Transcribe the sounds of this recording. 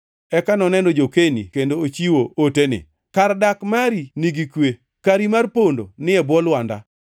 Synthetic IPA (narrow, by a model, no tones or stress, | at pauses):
ɛkanɔnɛnɔd͡ʒokenḭkendoot͡ʃiwootenɪ̰ | kardakmaɾiniɡikwe | kaɾimarpondo̰nɪɛbwɔlwanda̰